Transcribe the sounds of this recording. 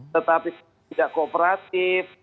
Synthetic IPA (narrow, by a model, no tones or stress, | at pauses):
t̪ət̪apis | idaʔkoːpəɾat̪ɪf